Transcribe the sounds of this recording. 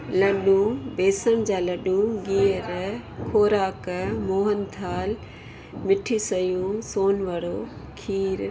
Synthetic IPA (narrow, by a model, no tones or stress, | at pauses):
lɐɗũbeːsəɽ̃d͡ʑaːlɐɗũɡiːəɾkʰoːɾaːkmoːɦənt̪ʰaːl | mɪʈʰisɐjũsoːnʋəɽoː | kʰiːɾ